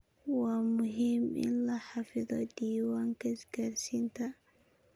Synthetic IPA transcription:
wɑːmʊɦiːmʔɪ̰nlɐħɑfɪðɔdiːwaːŋkʰɐɪsɡaːɾsiːnt̪ʰɐ

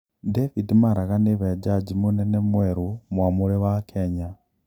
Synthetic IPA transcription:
devidimaɾaɣaniβed͡ʒad͡ʒimunenemweɾumwamulewakʰeɲa

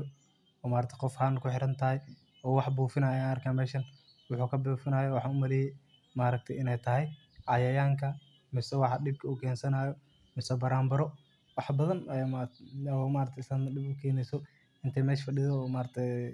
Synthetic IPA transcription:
ɔːmaːɾɐt̪ʰɛqɔfhaːnkʰʊħɪɾɐnt̪ʰɐɦɛj | ɔːwɑħbuːfɪnaːjajnɐrkʰaːnmɛːʃɐn | wʊħuːkʰɐbuːfɪnaːjɔwɑħɑʊmɐlɛːjɛj | maːɾɐk̚t̪ʰɛɪnɛjt̪ʰɐɦɛj | ʕɑjɐjaːŋkʰɐ | mɪsɛwɑħɑɗɪb̚kʰɐʊkʰɛːnsɐnaːjɔ | mɪsɛbɐɾaːmbɐɾɔ | wɑħbɐðɐnɛ | ɔːmaːɾɐk̚t̪ʰɛslanɗɪbʊkʰɛːnɛjsɔ | ɪnt̪ʰɛmɛːʃfɐɗɪðɔːmaːɾɐt̪ʰɛ

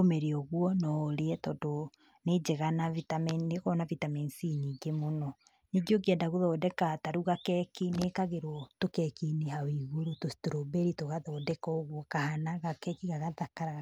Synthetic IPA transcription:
omeɾeɔɣwɔnɔɾeɛtɔdo | ned͡ʒeɣanavitamɛneɣɔnavitamɛnsiniɡemonɔ | neɡioɡeɛndaɣoðɔdɛkataɾuɣakɛkinekaɣeɾwɔtokɛkinehawiɣoɾutosi̥tuɾobɛɾitoɣaðɔdɛkɔɣwɔkahanaɣakɛkiɣaɣaðakaɾa

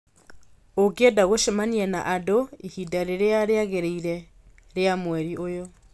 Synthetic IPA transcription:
okedaɣoʃemaniɛna̰ʔadoihidaɾeɾeaɾeaɣeɾeiɾɛ | ɾeamwɛɾiʔojo

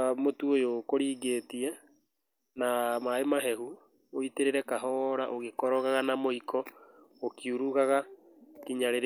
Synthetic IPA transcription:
motuojokoɾiːɣetiɛ | namaemaɦɛɦu | oiteɾeɾɛkaɦɔɾaʔoɣekɔɾɔɣaɣanamoikʰɔokiuɾuɣaɣa | kiɲaɾeɾ

